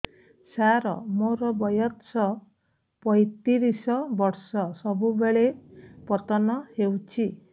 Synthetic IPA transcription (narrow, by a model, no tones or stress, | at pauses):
saɾɔ̰moɾɔbɔjɔt̪sɔ | pɔjt̪iɾisɔbɔɾsɔsɔbubeɭepɔt̪ɔnɔhewt͡ʃʰi